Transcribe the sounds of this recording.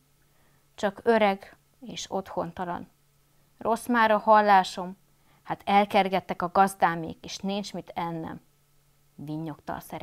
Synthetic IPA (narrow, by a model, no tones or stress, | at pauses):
t͡ʃɒkø̞ɾɛɡ | eːʃo̞t̪ho̞nt̪ɒlɒ̰n | rʔo̞smaːɾɒhɒlːaːʃo̞m | hat̪ʰɛlkɛrɡɛt̪ːɛkɒɡɒzd̪aːmḛːkeːʃninɲt͡ʃmit̪ʰɛnːɛ̰m | viɲːo̞kt̪ɒ̰lsɛɾ